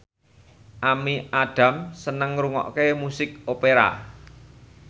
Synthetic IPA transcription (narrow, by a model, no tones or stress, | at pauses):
ʔamiaɖ̥ä̤msənəŋɾuŋɔ̰ʔkemusɪk̚opeɾa̰